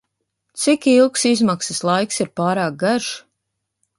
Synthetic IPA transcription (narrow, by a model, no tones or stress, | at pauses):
t̪sikilˠksizmaksəslˠajksiɾpaːɾaːk̚ɡaʒ